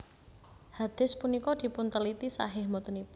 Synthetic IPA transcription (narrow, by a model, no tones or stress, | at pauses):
had̪̥ɪ̤spunikɔd̪̥i̤pʊnt̪əlit̪isa̰ɦɪhmɔt̪unipʊ